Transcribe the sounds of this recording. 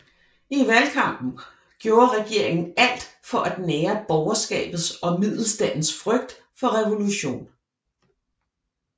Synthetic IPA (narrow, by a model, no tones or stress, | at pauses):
iʋælkʰɑ̈m̰b̥n̩ | ɡ̥jo̝ːɐʁɛɡ̥e̝ɐ̰e̝ŋn̩æl̰d̥fɒ̽ʔæd̥neːɐb̥ɒʊɐsɡ̥ɛ̰ːb̥ð̞̩ˠsɒ̽mið̞̰ˠl̩sd̥æn̰n̩ˠsfʁœɡ̥̚d̥ | fɒ̽ʁɛʋo̝luɕo̝̰ːn